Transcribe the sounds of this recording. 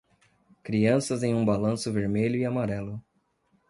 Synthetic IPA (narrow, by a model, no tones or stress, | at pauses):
kɾiɐ̃sɐzẽj̃ũbalɐ̃sʊveɾmeʎʊɪamaɾɛlʊ